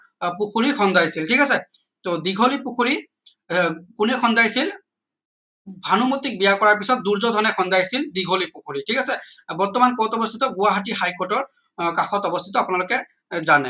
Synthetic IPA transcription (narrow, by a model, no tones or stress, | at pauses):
pukʰuɹixɔndʱajsiltʰikasɛt̪od̪iɡʱolipukʰuɹi | kunɛxɔndʱajsil | bʱanumut̪ik̚bijakɔɹaɹpisɔt̚d̪uɹzɔd̪ʱɔnɛxɔndajsild̪iɡʱolipukʰuɹitʰikasɛbɔɹt̪ɔmanpɔɔtɔbɔst̪ʰit̪ɔɡʊwaɦatiɦajkɔtɔɹ | kaxɔtɔbɔst̪ʰitɔapunalʊkɛ | zanɛ